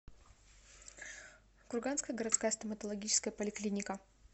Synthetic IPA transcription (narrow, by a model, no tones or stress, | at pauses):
kʊrɡanskəjəɡəɾɐt̪skajəst̪əmət̪əlˠɐɡʲit͡ɕɪ̥skəjəpəlʲɪklʲinʲɪkə